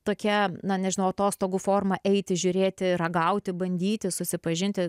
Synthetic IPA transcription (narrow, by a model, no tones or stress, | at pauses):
t̪oːkʲɛnɐnʲɛʒʲɪnɐʊɐt̪oːst̪oːɡufoːrmɐʔɛɪt̪ʲɪʒʲʊɾʲeːt̪ʲɪrɐɡɐʊt̪ʲɪbɐnʲd̪ʲiːt̪ʲɪsʊsʲɪpɐʒʲɪnʲt̪ʲɪ